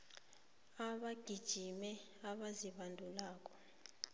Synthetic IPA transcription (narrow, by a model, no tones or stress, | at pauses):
aɓaɡ̥ʱid̥ʒ̥ʱimɛ | aɓaziɓandʱulaːkʼɔ̥